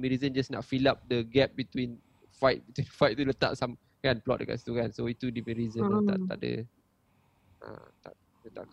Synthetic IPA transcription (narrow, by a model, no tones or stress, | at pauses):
miɾizə̃nd͡ʒasnɔʔtfilap̚dəɡɛp̚bit̪win | fajt̪̚bit̪winfajt̪̚t̪ːulət̪a̰ʔsam | kanplɔ̰t̚dəka̰tst̪uɣansoit̪udimiɾizə̃t̪a̰a̰ʔdə̰ | ə̰t̪a̰ʔ | lət̪a̰ʔk